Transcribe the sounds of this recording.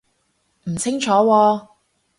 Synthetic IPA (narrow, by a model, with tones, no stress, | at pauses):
m̩˨˩t͡sʰɪ˥ŋt͡ʃʰɔː˨˥wɔː˧